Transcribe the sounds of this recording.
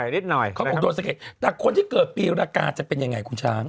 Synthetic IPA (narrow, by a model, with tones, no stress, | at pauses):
jni˦˥t̪̚nɔ˨˩jkʰa˦˥ʔ̚ːdo˧nsa˧ke˨˩la˨˩kʰo˧nt̪i˥˩kɤː˨˩t̪̚pi˧ɾaː˧kaː˧t͡ɕa˨˩pe˧nja˧ŋːa˧jkʰu˧nt͡ɕʰaː˦˥ŋ